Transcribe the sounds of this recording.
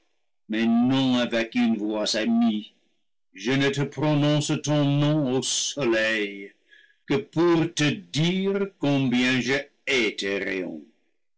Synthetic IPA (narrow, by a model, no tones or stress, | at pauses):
mɛnɔ̃avɛkynvwasami | ʒənət̪əpʁɔnɔ̃st̪ɔ̃nɔ̃osɔlɛj | kəpuʁt̪ədiʁkɔ̃bjɛ̃ʒə | ɛt̪ɛʁḛɔ̰̃